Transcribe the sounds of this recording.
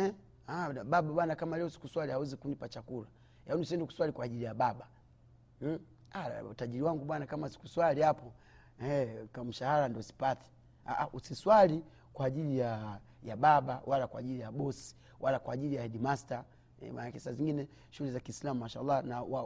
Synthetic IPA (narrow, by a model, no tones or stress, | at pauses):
ɛ | aɓaɓaɓwanakamalɛɔsi̥kuswalihawɛzikunipat͡ʃakula | jaɔniusiɛndɛku̥swalikwaːʄilijaɓaɓa | aa̰taʄiɾiwaŋɡuɓwanakamausi̥kuswalihapɔ | ɛkam̩ʃahaɾandiɔsi̥patɛ̥ | aʔaʔusiswali | kwaːʄilijajaɓaɓawʔalakwa̰ʄilijaɓɔsi̥ | walakwaʄilijahɛdimasta | ɛ̰wa̰nakɛsaziŋɡinɛ | ʃulɛzakiːslamumaʃaa̰lːanawa